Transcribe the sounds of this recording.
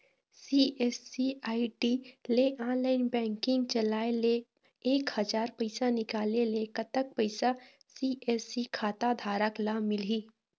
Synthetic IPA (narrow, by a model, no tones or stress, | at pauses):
siːeːsiaːiʈileʔaːnlaːɪnbɛ̃ːŋkɪ̃ŋɡt͡ʃəlaːele | eːkhəd͡ʒaːɾpəɪsanɪkaːlelekət̪ək̚pəɪsa | siːʔeːsikʰaːt̪ad̪ʱaːɾəklamɪliː